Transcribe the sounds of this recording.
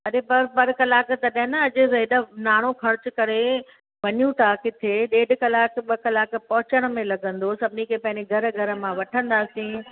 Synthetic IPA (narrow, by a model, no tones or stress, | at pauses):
ɐɾepɐɾpɐɾkɐlaːkt̪ɐɗaɪnɐɐʄʊ̆ɾeːɪɗənaːɽ̃okʰɐɾʊt͡ɕʊkɐɾe | ʋɐɲjũt̪ʰaːkɪt̪ʰeɗeːɖkɐlaːkɓɐkɐlaːkpɐɦʊt͡ɕəɽ̃̆mẽlɐɡʱə̃nd̪osɐbʱɪnikʰepɐ̃ɦɪ̃ɲd͡ʑeɡʱɐɾ̆ɡʱɐɾə̆mãʋɐʈʰə̃nd̪aːsĩː